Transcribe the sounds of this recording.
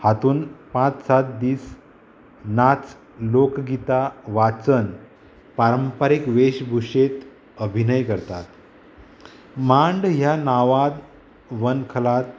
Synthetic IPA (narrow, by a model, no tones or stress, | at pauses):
hat̪uːnpãt͡ssat̪̚d̪iːs | nat͡s | lokɡit̪aʋat͡sən | paɾəmpaɾikʋeɕbʱuɕet̪ | əbʱinəjkəɾt̪at̪ | maɳɖɦjanaʋad̪ | ʋənkʰəlat̪